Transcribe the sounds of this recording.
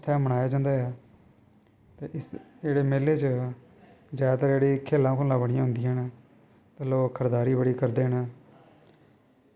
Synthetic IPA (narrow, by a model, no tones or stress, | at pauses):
t̪ʰːɛːməɽaːjaːd͡ʒãːnd̪aːɛː | t̪eːɪeːɽeːmeːleːt͡ʃə | d͡ʒaːt̪əɾeːɽiːkʰːeːlːãːkʰoːlãːbəɽɪjãːɦʊ̃nd̪ijɛːnː | t̪eːloːkkʰəɾd̪aːɾiːbəɽiːkəɾd̪eːnɛː